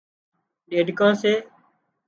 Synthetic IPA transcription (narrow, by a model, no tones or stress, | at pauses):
ɗeːɖkãːseː